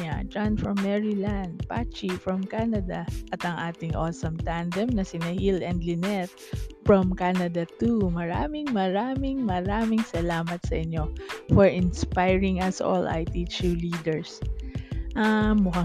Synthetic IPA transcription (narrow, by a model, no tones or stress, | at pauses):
a̰d͡ʒanfɹɐmːɛɹiland̪̚pat͡ʃifɹɐmkanɐd̪ɐʔɐt̪ɐŋʔaːt̪ɪŋʔo̰sɐmt̪and̪ɛmnɐsɪnɐhilɛnd̪lɪnɛt̪̚ | fɹɔmkanɐd̪ɐt̪umɐɾaːmɪŋmɐɾaːmɪŋmɐɾaːmɪŋsɐlaːmɐt̪sɐ̰ʔɪɲo̞fɔɹʔɪnspajɹɪŋɐsʔo̰lʔa̰jt̪it͡ʃuliːd̪ɛɹs | ʔamːʊka